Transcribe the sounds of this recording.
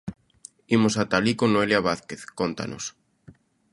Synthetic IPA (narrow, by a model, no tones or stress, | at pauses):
imosat̪alikonoeljaβ̞aθkeθkont̪a̰no̰s